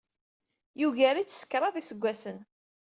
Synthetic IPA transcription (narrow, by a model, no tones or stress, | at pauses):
juʝæɾit͡sːə̥skːɾˤɑðˤisəɡʷːæsən